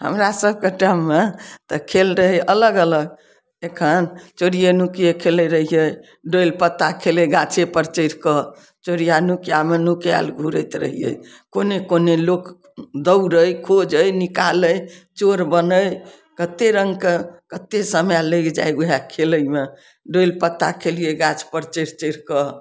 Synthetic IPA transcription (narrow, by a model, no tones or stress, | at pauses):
ɦə̰mɾasəb̚keʈamːet̪əkʰelɾəɦəʔələɡələɡ | ekʰənt͡ʃoɾijenukijekʰeləɾəɦijəj | ɖojlpət̪ːakʰeləɡãt͡ʃʰepəɾt͡ʃəjɾkɔ | t͡ʃoɾijanukijamenukja̰lɡʱuɾəjt̪ɾə̰ɦijə̰j | konekonelok | d̪əwɾəjkʰod͡ʒəjnikaləjt͡ʃoɾbənəj | kət̪ːeɾəŋɡkekət̪ːesəmjaləkd͡ʒa̰juɦakʰeləjme | ɖolpət̪ːakʰelijeɡat͡ʃpəɾt͡ʃəɾt͡ʃəɾkɔ